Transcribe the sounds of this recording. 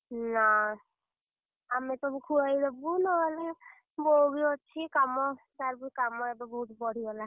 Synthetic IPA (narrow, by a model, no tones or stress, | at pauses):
na | amɛt̪ɔbukʰuajɾɔbunɔɦɔle | bɔɡiɔt͡ʃʰikamɔ | t̪aɾbukamɔebɔbɔɦut̪bɔɽ̤ibɔla